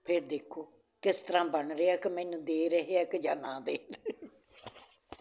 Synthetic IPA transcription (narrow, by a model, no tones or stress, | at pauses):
pʰɪɾd̪eːkʰːoː | kɪst̪əɾãːbəɳɾeaːkɪmɛːnũːd̪eːɾəɦeːaːkɪd͡ʒaːnãːd̪eːn